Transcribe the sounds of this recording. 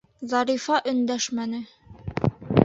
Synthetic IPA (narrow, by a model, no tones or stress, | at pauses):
zɑɾifɑʔɵ̆nd̪æʃmænɘ